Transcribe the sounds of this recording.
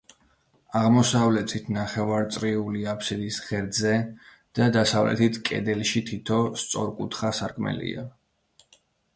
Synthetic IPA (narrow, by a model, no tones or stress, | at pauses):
aʁmɔsavlɛt̪ʰit̪ʰnaχɛvaɾt̪sʼɾiuliapʰsid̪isʁɛɾd̪zɛ | d̪̥ad̪asavlɛ̰t̪ʰit̪ʰkʼɛ̰d̪ɛlʃit̪ʰit̪ʰɔst̪sʼɔɾkʼut̪ʰχasaɾkʰmɛ̰lḭa